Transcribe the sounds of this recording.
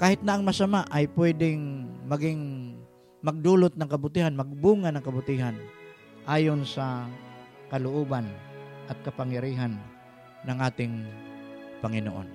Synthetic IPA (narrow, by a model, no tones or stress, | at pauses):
kaːhɪt̪̚nɐʔɐŋmɐsamaʔɐjpwɛd̪ɪŋmɐɡɪŋ | mɐɡ̚d̪uːlʊt̪̚nɐŋkɐbʊt̪iːhanmɐɡ̚buːŋanɐŋkɐbʊt̪iːɦan | ʔaːjonsɐ | kɐlʊʔoːbanʔɐt̪̚kɐpaŋjɐɾiːɦanː | ɐŋʔaːt̪ɪŋ | pɐŋɪnoʔo̰n